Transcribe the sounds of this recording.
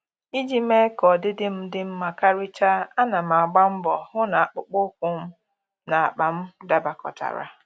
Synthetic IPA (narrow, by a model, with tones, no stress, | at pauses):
i˦d͡ʒi˦me˦kɔ˨dɪ˦dɪ˦m̩˦dɪ˦m̩˦ma˨ka˦ɾɪ˦t͡ʃa˦a˦na˨m̩˨a˨ɡ͡ba˦m̩˦bɔ˨hʊ˦na˨a˨k͡pʊ˨k͡pʊ˦kʷʊ˦m̩˦ | na˨a˨k͡pa˨m̩˦da˨ba˨kɔ̰˨ta̰˨ɾa̰˦